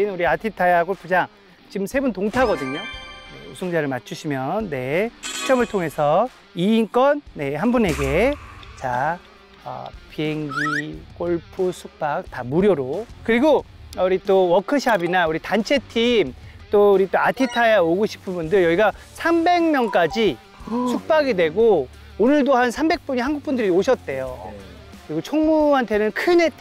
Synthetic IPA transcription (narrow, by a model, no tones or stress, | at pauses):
inuɾiatʰitʰajaɡoɭpʰud͡ʑaŋ | t͡ɕimsʰe̞buntoŋtʰaɡʌdɯɲone̞̰usʰoŋd͡ʑaɾɯɭmat͡ɕʰuɕʰimjʌnːe̞u̥t͡ɕʰʌmɯɭtʰoŋɦe̞sʰʌ | iːnk͈ʌnːe̞ɦanbune̞ɡe̞t͡ɕa | ʌ̰pieŋɡik͈oɭpʰusʰuk̚p͈ak̚tamuɾjoɾokɯɾiɡouɾit͈owʌkʰɯɕʰabinauɾitant͡ɕʰe̞tʰimt͈ouɾit͈oatʰitʰajaoɡoɕʰi̥pʰɯnbundɯɭjʌɡiɡa | sʰambe̞ŋmjʌnk͈ad͡ʑi | sʰuk̚p͈aɡidwe̞ɡo | onɯɭdohansʰambe̞k̚p͈uɲiɦanɡuk̚p͈undɯɾioɕʰʌt̚t͈e̞jo | kɯɾiɡot͡ɕʰoŋmuɦantʰe̞nɯnkʰɯne̞tʰ